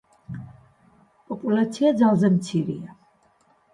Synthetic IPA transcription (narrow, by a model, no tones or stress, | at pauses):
pʼɔpʼulat̪sʰiad̪zalˠzɛmt̪sʰiɾḭa